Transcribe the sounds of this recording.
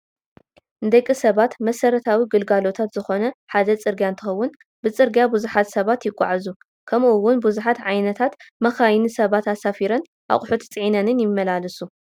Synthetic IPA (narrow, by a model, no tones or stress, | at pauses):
ʔɨnd̪ɐkʼːisɐβat̪mɐsɐɾɐt̪ʰawiɡɨlɡalo̞t̪ʰat̪zɨxo̞nɐħad̪ɐt͡sʼɨɾɡjant̪ʰɨxɐwːʊn | bɨt͡sʼɨɾɡjabuzuħat̪sɐβat̪jɪkʷʼːa̰ʕazu | kʰɐmʔuwʊnbuzuħat̪ʕajnɐt̪ʰat̪mɐxajnisɐβat̪asafiɾɐn | ʔa̰χʼʊħut̪ʰt͡sʼɨʕinɐnɨnjɪmːɐlalɐsu